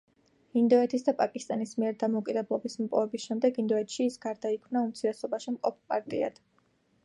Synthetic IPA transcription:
ind̪ɔɛt̪ʰisd̪apʼakʼist̪ʼanismiɛɾd̪amɔukʼid̪ɛblˠɔbismpʼɔ̰vɛbisʃɛmd̪ɛɡind̪ɔɛt̪ʰʃiːsɡ̥aɾd̪aikʰmnaumt̪sʰiɾɛsɔbaʃimqʼɔp̚ʰpʼa̰ɾt̪ʼḭa̰d̪̥

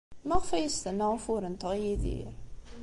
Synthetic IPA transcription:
mæʁfæjəst̪ənːəʁəfʊɾənt̪əʁjiðḭɾ

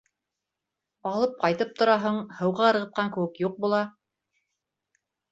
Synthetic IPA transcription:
ɑlˠɤp̚qɑjt̪ɤp̚t̪ŏɾɑɦɤɴhɤ̆wʁɑɤ̆ɾʁɤ̆t̪̚qʰɑŋkɘ̆wɘkjuq̚bulˠɑ

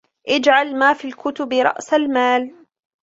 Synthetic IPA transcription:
ʔɪd͡ʒʕalmaːfiːlkʊt̪ʊbɾˤɑ̰ʔsalmaːl

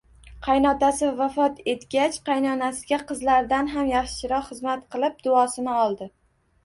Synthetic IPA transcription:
qʰɑjnɒt̪asɪvafɒt̪ʰe̞t̪ɡʲat͡ʃqʰɑjnɒnasɪɡʲaqɨzlaɾd̪anɦamjaχʃɪ̥ʃɪɾɒqχɨzmat̪qʰɨlˠɪp̚d̪ʊɒsɪnɪɒlˠd̪ɪ

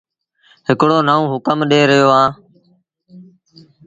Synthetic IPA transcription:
ɦɪkɽoːnəːũːɦʊkəmɗeːɾəjoːãː

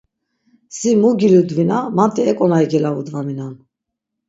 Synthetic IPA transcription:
simuɡilid̪vinamant̪ʰɛɛkʼɔnaɛɡɛlavud̪vaminan

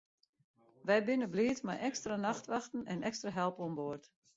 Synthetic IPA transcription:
ʋɛjbɪnəbliətmajʔɛkstranaxtʋaxtən̩ɛnɛkstraɦɛlˠpɔmboərt

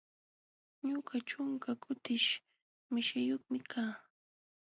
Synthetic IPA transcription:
ɲʊɢaʈ͡ʂʊŋkakʰʊt̪ɪʃ | mɪʃajoχmɪkʰaː

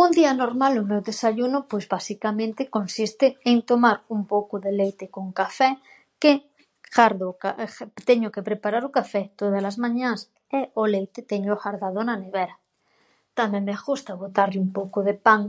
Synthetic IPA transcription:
und̪ianoɾmalomewðesaʎunopwezβasikamẽnt̪ekonsist̪eːnt̪omaɾumpowkoðelejt̪ekoŋkafɛ | ke | xaɾðokat̪eɲokepɾepaɾaɾokafɛt̪oðalazmãɲans | eolejt̪et̪eɲoxaɾðaðonaneβeɾa | t̪amẽnexust̪aβot̪aɾʎumpowkoðepaŋ

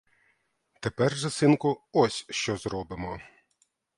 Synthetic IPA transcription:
t̪epɛrʒɐsɪnkʊɔsʲʃt͡ʃɔzɾɔbɪmɔ

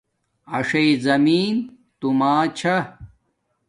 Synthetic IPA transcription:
ɐʂɐizɐmiːn | t̪umaːt͡ɕʰɐ

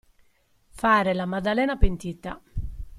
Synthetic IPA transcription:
faːɾelamad̪alɛːnapent̪it̪ːa̰

